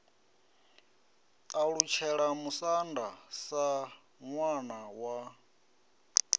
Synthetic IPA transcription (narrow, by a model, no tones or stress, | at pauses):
aɺut͡ʃʰɛɺamusandasa | ŋwanawa